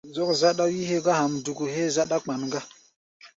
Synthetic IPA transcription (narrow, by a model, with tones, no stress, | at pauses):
zo˦kza˦ɗa˦ji˦he˦ɡa˦ha˨mdu˨ɡu˨ɦe˦za˦ɗa˦k͡pa˨nŋɡa˦